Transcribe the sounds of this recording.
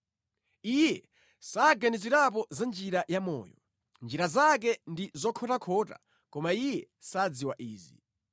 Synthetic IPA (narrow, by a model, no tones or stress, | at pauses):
ijɛ | saɡaniziɾap̬ɔzand͡ʒiɾajamɔ̰ːjɔ̰ | nd͡ʒiɾazak̬ɛndizɔkʰɔtakʰɔta̰ | kɔmaijɛ | sad͡ziwaʔiːzi